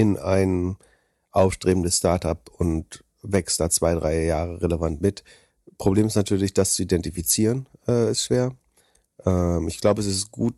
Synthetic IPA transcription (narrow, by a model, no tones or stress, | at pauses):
ɪnaɪn | ʔaʊfʃtʁ̥eːbm̩dəsstaɐtʔapʊnt | vɛkstd̥aːt͡sv̥aɪdʁaɪjaːʁ̞əʁeləvantmɪt | pʁ̥obleːmɪstnatʰyːɐlɪçd̥ast͡suidɛntifit͡siːʁənʔɛːɪstʃv̥eːɐ | ʔɛːmɪçɡ̥laʊbəɛsɪstɡ̥uːt